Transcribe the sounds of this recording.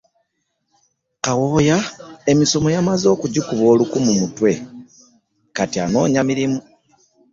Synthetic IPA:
kawo̞jae̞miso̞mo̞jamazo̞ːkuɟikuβo̞ːlukumumutwe̞ | katiano̞̰ːɲamiɾimu

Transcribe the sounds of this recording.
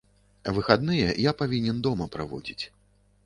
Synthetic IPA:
vɨxad̪nɨjɛjapavʲinʲɛnd̪ɔmɐpɾa̰vɔ̰d͡zʲit͡sʲ

